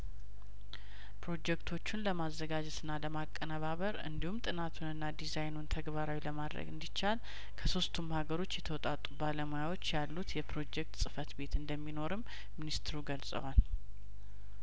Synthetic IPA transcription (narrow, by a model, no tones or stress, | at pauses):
pɾo̞d͡ʒɛkt̪ʰo̞t͡ʃːunləmazːəɡad͡ʒɛt̪ɨnːaləmakʼːənəβaβəɾɨ̰nd̪ihumt̪ʼɨnat̪ʰunɨnːad̪izajnunt̪ʰəɡβaɾawiləmad̪ɾə̰ɡɨnd̪it͡ʃːal | kʰəso̞st̪ʰumhaɡəɾo̞t͡ʃːjɛt̪ʰəwɔt̪ʼat̪ʼubaləmojawo̞t͡ʃːjalːut̪jɛpɾo̞d͡ʒɛk̚t̪sʼɨfət̪be̞t̪ɨnd̪əmːino̞ɾɨmː | inist̪ʰɨɾuɡəlsʼə̰wal